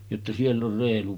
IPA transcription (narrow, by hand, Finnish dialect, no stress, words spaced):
jotːɑ sielː or reːlu